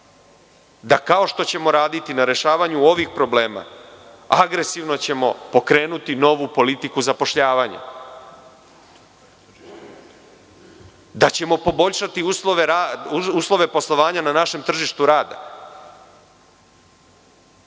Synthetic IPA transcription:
d̪akao̞ʃt̪o̞t͡ɕe̞mo̞ɾaːd̪it̪inaɾe̞ʃaːʋaɲuo̞ʋixpɾo̞ble̞ːma̰ | aɡɾe̞siʋno̞t͡ɕe̞mo̞̰po̞kɾe̞ːnut̪ino̞ʋupo̞lit̪ikuzapo̞ʃʎaːʋaɲa̰ | d̪at͡ɕe̞mo̞po̞bo̞ʎʃat̪iusloʋeɾauslˠo̞ʋe̞po̞slˠo̞ʋaːɲananaʃe̞mt̪r̩ʒiʃt̪uɾaːd̪a̰

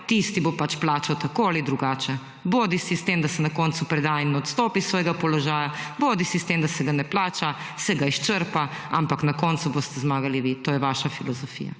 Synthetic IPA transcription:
t̪ist̪ibopat͡ʃplaːt͡ʃawt̪akoalid̪ɾuɡaːt͡ʃɛ | boːd̪isist̪emd̪asɛnakɔnt̪supɾɛd̪aːinːɛɔt̪st̪ɔːpisʋɔːjɛɡapɔlɔʒaːjaboːd̪isist̪emd̪asɛɡanɛplaːt͡ʃa | sɛɡaiʃt͡ʃəɾpa | ampaknakɔːnt̪suboːst̪ɛzmaːɡaliʋit̪oːjɛʋaʃafilɔzɔfḭːja̰

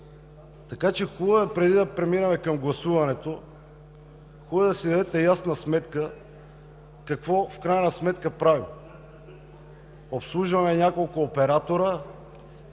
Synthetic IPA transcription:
t̪ɐkat͡ʃɛxulˠəvəpɾɛd̪id̪ɐpɾɛminɐmɛkɐmɡlˠɐsuvɐnɛt̪o | xulˠəd̪ɐsid̪ɐd̪ɛt̪ɛjasnəsmɛt̪kə | kɐkvɔfkɾajnəsmɛt̪kəpɾavi | opslˠuʒvɐmɛnʲakolˠkʊːpɛɾat̪oɾə

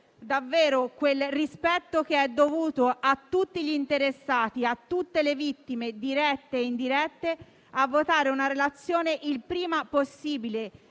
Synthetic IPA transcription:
d̪avːeːɾokwelrispɛt̪ːokeɛd̪ːovuːt̪oat̪ːut̪ːiʎiːnt̪eɾesːaːt̪iat̪ːut̪ːelevit̪ːimed̪iɾɛt̪ːeind̪iɾɛt̪ːe | avːot̪aːɾeunaɾelat̪sːjoːneʔilpɾiːmaposːiːbile

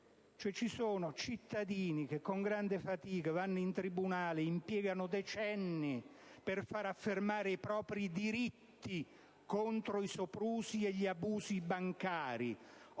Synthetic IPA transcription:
t͡ʃoɛt͡ʃːisoːnʊt͡ʃit̪ːad̪iːnik̟ekːoŋɡɾand̪ɪfat̪iːkavanːʊint̪ɾibunaːlɪimpjɛːɡanʊd̪ɛt͡ʃɛnːipɪrfaɾafːermaːɾɪipɾɔːpɾid̪iɾit̪ːi | kont̪ɾoisopɾuːsieʎːiabuːzibaŋkaːɾi

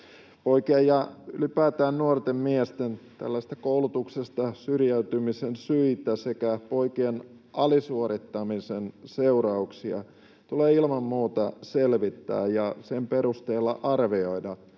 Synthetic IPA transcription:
poikiɑjjɑylipæːt̪æːnnuort̪emmiest̪ent̪æ̰lːæse̥s̆t̪æ̥koulut̪uksest̪ɑsyrjæyt̪ymisensyit̪æsekæpoikien | ʔɑlisuoɾit̪ːɑmisenseurɑuksiɑ̰ | t̪uleːilmɑmːuːt̪ɑselʋit̪ːæ̰ːjjɑsempeɾust̪eːlːɑ̰ʔɑrʋioidɑ

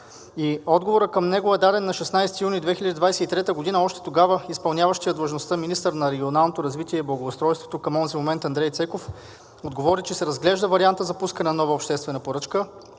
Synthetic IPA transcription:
iɔd̪ɡovoɾəkəmnɛɡoɛd̪ad̪ɛnːɐʃɛsnajsɛ̥t̪ijunid̪vɛxilʎʲəd̪id̪vajsɛit̪ɾɛt̪əɡod̪inəɔʃt̪ɛ̥t̪oɡavəispɐlˠnʲavəʃt̪ijəd̪lˠəʒnost̪əminist̪əɾnɐɾɛɡʲionalˠnot̪oɾɐzvit̪iɛiblˠɐɡoːst̪ɾɔjst̪vo̥t̪okɐmɔnzimomɛnt̪ɐnd̪ɾɛjt̪sɛkof | od̪ɡovɔɾit͡ʃɛsɛɾɐzɡlɛʒd̪əvɐɾiant̪əzɐpuskɐnɛnnɔvəopʃt̪ɛst̪vɛnɐpoɾɤt͡ʃkə

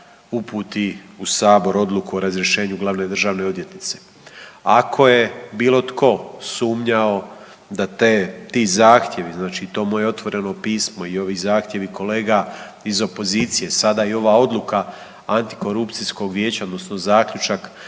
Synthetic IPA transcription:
upuːt̪iusaːbo̞ɾo̞d̪lˠukuoɾazɾʲje̞ʃe̞ːɲuɡlˠaʋne̞d̪r̩ʒaːʋne̞od̪jet̪nit̪se̞̥ | akʰo̞je̞biːlˠo̞t̪kʰo̞suːmɲao̞ | d̪at̪eːt̪iːzaːxt̪je̞ʋiznaːt͡ʃit̪o̞ːmojeo̞t̪ʋo̞ɾe̞no̞piːsmo̞io̞ʋiːzaːxt̪ʲje̞ʋiko̞le̞ːɡa | izo̞po̞ziːt̪sije̞sad̪ajio̞ʋaːo̞d̪lˠuka | ant̪i̥ko̞ɾupt̪sisko̞ɡʋjeːt͡ɕaod̪no̞sno̞zaːkʎut͡ʃak

